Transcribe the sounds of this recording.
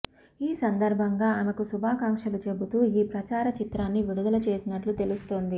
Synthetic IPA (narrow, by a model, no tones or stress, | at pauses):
iːsɐnd̪ɐɾbʱɐŋɡaːɐmɐkusubʱaːkaːŋkʂɐlut͡ʃebut̪uːiːpɾɐt͡ʃaːɾɐt͡ʃit̪ɾaːnːiʋiɽud̪ɐlɐt͡ʃe̞ːsinɐʈlut̪e̞lust̪o̞ːnd̪i